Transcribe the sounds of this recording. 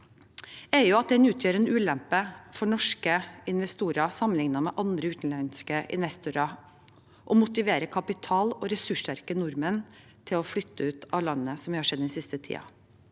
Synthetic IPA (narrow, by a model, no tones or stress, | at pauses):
ɛjʊɑt̪̚d̪ɛɪnʉːt̪ʰjøːɾənəʔʉːlɛmpəfɔɳɔʂkəɪnʋɛst̪uːɾɑsɑmənɪŋnɑmɛ̰ʔɑnd̪ɾəʉːt̪n̩lɑnɪskəɪ̰nʋɛst̪uːɾɑ | ʔɔmʊt̪ɪʋeːɾəkʰɑpɪt̪ʰɑːlɔɾɛsʉʂtæɾkənʊɾmən | t̪ʰɪlɔflʏt̪ːəʉːt̪ɑʋlɑnːəsɔmʋɪhɑʂɛd̪ːɛnsɪst̪ət̪ʰḭːɑ̰